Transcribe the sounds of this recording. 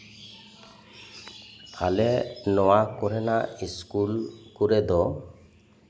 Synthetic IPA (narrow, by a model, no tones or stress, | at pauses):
a̰lɛnɔwakɔɾɛnaiskulkuɾɛd̪ɔ